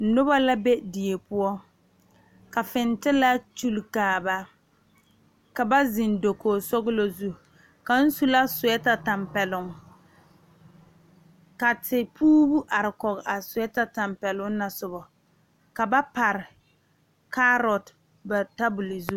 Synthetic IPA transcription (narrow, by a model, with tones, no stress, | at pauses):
nʊ˦ba˦la˦be˦di˨e˨pʊ˦ɔ˦ | ka˨fɪ˨ntɪ˦la˦t͡ʃu˦lkaː˨ba˦ | ka˨ba˦zɪ˨ndo˨koː˨sɔ˦ɡʊ˦lo˦zu˦˨ | ka˨n̩˦su˦la˦sʊ˨ɛ˦ta˨ta˨mpɛ˨lʊ˨ŋ | ka˨tɪ˨pʰuː˦bu˦ʔa˨ɾɪ˨kɔ˨ɣʔa˨sʊ˨ɛ˦ta˦ta˨mpɛ˨lʊ˦ŋ˦na˨sʊ˨bɔ˨ | ka˨ba˦pa˨ɾɪ˨ | ka˦ɾɔ˨t | ba˨ta˦bʊ˨li˨zu˦